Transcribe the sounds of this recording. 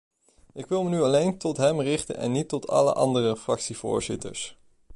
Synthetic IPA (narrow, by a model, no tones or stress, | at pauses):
ʔɪkʋɪlˠmənyɑlejntɔtɦɛmrɪχtə̰nʔɛ̰nːitːɔtʰɑ̰lə̰ʔɑndərəfrɑksiv̥ʊ̰ːɹzɪtə̰ɹs